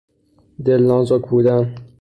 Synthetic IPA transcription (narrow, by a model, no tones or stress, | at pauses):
d̪elnɒːnzokbuːd̪æn